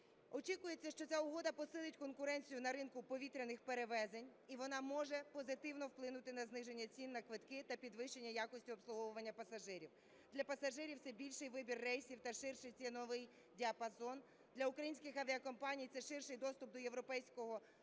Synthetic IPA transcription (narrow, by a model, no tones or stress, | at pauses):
ɔt͡ʃikʊjet͡sʲːɐʃt͡ʃɔt͡sʲaʊɦɔd̪ɐpɔsɪlˠɪtʲkɔnkʊɾɛnʲt͡sʲijʊnɐɾɪnkʊpɔʋʲit̪ɾʲenɪxpe̞ɾeʋɛzenʲiʋɔnɑmɔʒɛpɔzɪt̪ɪwnɔwplˠɪnʊt̪ɪnɐznɪʒe̞nʲːɐt͡sʲinːɐkʋɪt̪kɪt̪ɐpʲid̪ʋɪʃt͡ʃe̞nʲːɐjakɔsʲtʲʊɔpsˠʊɦɔʋʊʋɐnʲːɐpɐsɐʒɪɾʲiw | d̪̥lʲɐpɐsɐʒɪɾʲiwt̪sɛbʲilʲʃɪjʋɪbʲirːɛjsʲiwt̪ɐʃɪrʃɪjt͡sʲɛnɔʋɪj | dʲiɐpɐzɔn | d̪lʲɐʊkɾɐjinʲsʲkʲɪxɐʋʲiɐkɔmpɑnʲijt̪sɛʃɪrʃɪjd̪ɔst̪ʊp̚d̪ɔje̞ʋɾɔpɛjsʲkɔɦɔ